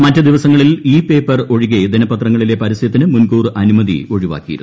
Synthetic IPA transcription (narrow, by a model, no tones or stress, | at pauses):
mɐtːɨd̪iʋɐsɐŋːɐɭiliːpe̞ːpːɐro̞ɻiɣed̪inɐpːɐt̪rɐŋːɐɭile̞pɐɾist̪ʰit̪ːinɨmunkuːrɐnumɐðḭo̞ɻiʋa̰ːkːijḭɾunː